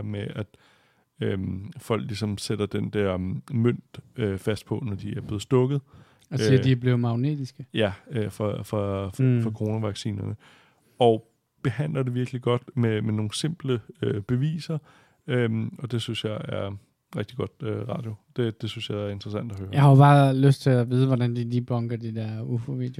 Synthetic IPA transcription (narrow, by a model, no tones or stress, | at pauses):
meʔæd̥ | ømfɒ̽l̰ɡ̥lisɒ̽msed̥ɐd̥end̥æɐ̰møn̰d̥øfæsd̥̚pʰɒ̽nɒd̥iæɐb̥le̝ːð̩ˠsd̥ɔ̽ɡ̥ð̞̩ˠ | sidiæb̥le̝ʊmɑ̈ʊnḛːd̥isɡ̥əjæøfɒfɒfɒkʰʁo̝ːnæʋɑ̈ɡ̥sḭːnn | ɒ̽ | b̥e̝hæn̰lɐd̥e̝ʋiɐɡ̥liɡ̥ɒ̽d̥memeno̝ːn̩se̝m̰b̥ləøb̥e̝ʋḭːsɐ | ømɒ̽d̥e̝synsjɑ̈ɪæɐ | ʁeɡ̥̚d̥iɡ̥ɒ̽d̥øʁɑ̈ːd̥jo̝d̥e̝d̥e̝synsjɑ̈ɪæɐe̝nd̥ʁɐsæn̰d̥ɐhøːɐjähɑ̈job̥ɑ̈ːløsd̥̚t͡sʰe̝æʋiːð̞ˠəʋɒdænd̥ilib̥ɒ̽ŋɡ̥ɐd̥ed̥ɛɐufoʋḭːd̥eo